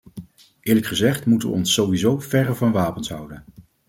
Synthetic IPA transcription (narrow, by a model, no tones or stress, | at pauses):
ʔɪːɹləkχəzɛχtmutəʋə̰ɔnsːowʋizowvɛrəvɑnʋaːpənsɦʌwdən